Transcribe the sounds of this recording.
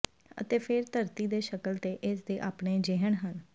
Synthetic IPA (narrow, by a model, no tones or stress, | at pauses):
ə̰t̪eːpʰɪɾt̪əɾt̪iːd̪eːʃəkəlt̪eːʔɪsd̪eːʔaːpɳeːd͡ʒɪɦəɳɦən